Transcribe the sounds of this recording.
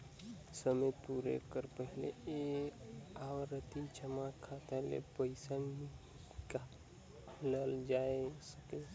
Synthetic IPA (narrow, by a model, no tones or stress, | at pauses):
səməpuɾḛkəɾpəɦlee | aʋɾət̪it͡ʃəmakʰat̪alḛpəɪsanmi | ka | ləld͡ʒaesəke